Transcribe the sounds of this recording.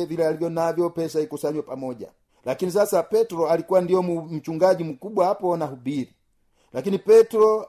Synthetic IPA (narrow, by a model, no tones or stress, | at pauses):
vilɛalivjɔnavjɔpɛsaikusaɲwɛpamɔɟa̰ | lakinisasapɛtuɾɔalikuwandijɔmum̩t͡ʃuŋɡaɟim̩kubwahapɔnaɦubiɾi | lakinipɛtuɾɔ